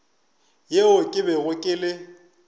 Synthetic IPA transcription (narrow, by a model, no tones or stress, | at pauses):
jeʊkʼɪbɛɣʊkʼɪlɪ